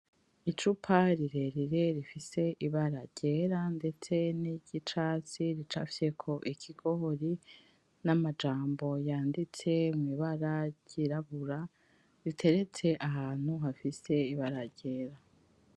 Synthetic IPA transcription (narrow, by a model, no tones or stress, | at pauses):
it͡ʃupʰaɾiɾe̞ɾiɾe̞ɾifise̞ʔiβaɾaɟ̥e̞ɾande̞t͡se̞niɟit͡ʃaːt͡siɾit͡ʃa̰fse̞kʰo̞ʔikʰiɡ̥o̞hoɾi | namad͡ʒaːmbo̞jaːndit͡se̞miβaɾaɟ̥iɾaβuɾa | ɾitʰe̞ɾe̞t͡se̞ʔaɦaːn̥huɦafise̞iβaɾaɟe̞ːɾa